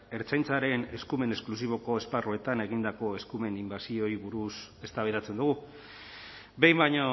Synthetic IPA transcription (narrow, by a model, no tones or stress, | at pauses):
e̞ɾt͡sajnt͡saɾe̞ne̞skume̞ne̞sklus̬iβ̞o̞ko̞e̞sparue̞t̪ane̞ɣind̪ako̞eskume̞nimbasio̞iβuɾuse̞st̪aβeɾat͡se̞nd̪uɣu | be̞jmbajɲo̞